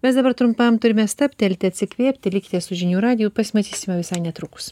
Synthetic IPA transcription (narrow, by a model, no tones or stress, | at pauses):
mʲɛsd̪ɐbɐɾt̪ɾʊmpɐmt̪ʊɾʲɪmʲɛst̪ɐpʲt̪ʲɐlʲt̪ʲɪɐt̪ʲsʲɪkʋʲiɛpʲt̪ʲɪlʲɪkʲɪ̥t̪ʲeːssʊʒʲɪnʲuːɾɑːd̪ʲɪjuːpɐsʲmɐt̪ʲiːsʲɪmʲɐʋʲɪsɐɪnʲɛt̪ɾʊkʊ̥s